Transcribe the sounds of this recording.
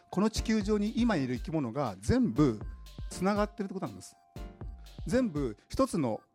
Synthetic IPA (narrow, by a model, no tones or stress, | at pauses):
ko̞not͡ɕi̥kʲɨːʑo̞ːɲ̟iʔimaiɾɯ̟ikʲimo̞no̞ɡad͡zẽ̞mbɯ̟t͡sɨnaɡat̪ːe̞ɾɯt̪ːekot̪onanmd̪sɨ̥ | d͡zẽ̞mbɯ̟çi̥t̪o̞t͡sɨno̞̰